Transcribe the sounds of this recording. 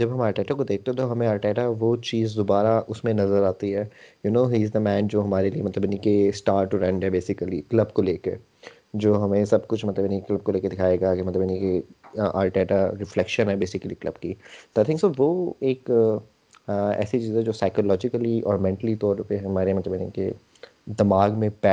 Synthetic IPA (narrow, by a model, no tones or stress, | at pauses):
d͡ʒɐbɦɐ̃maːɾʈɛːʈakod̪eːk̚ʰt̪ẽɦẽt̪oɦɐmẽaːɾʈɛːʈaʋot͡ʃiːzd̪obaːɾaʔʊsmẽnɐzəɾaːt̪iɦɛːjunoːɦiːzd̪əmɛ̃ːnd͡ʒoːɦɐmaːɾeliemɐt̪ləbjɪnikesʈaːɾʈʈːuɾɐ̃ɳɖɦɛbeːsɪkəliklɐbkoleːke | d͡ʒoːɦɐmẽsɐb̚kʊt͡ʃʰmɐt̪ləbjɪnikeklɐb̚koleːked̪ɪkʰaːeːɡakimɐt̪ləbjɪnikeʔa̰ːlʈɛːʈaɾɪflɛkʃə̃nɦɛbeːsɪkəliklɐb̚kit̪oaɪt̪ʰɪ̃ŋsoʋoːeːk | ɛ̰ːsit͡ʃiːzɦɛ̃d͡ʒoːsaɪkolɔːd͡ʒɪkəliʔɔ̰ːɾmɛ̃ɳʈəlit̪ɔːɾpeɦɐmaːɾemɐt̪ləbjnḭ̃kḛ | d̪ɪmaːɡmẽpɛ